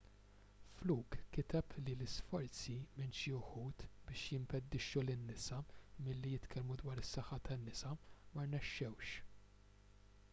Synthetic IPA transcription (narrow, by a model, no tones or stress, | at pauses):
fluːkkːɪt̪ɛplilɪsfɔɾt͡simɪnʃiʊħuːt̪bɪːʃjɪmpɛd̪ːɪʃːulɪnːɪsɐmɪlːijɪt̪kʰɛlmud̪wɐːɾɪsːɐħːɐt̪ʰɐnːɪsɐmɐɾnɛʃːɛwʃ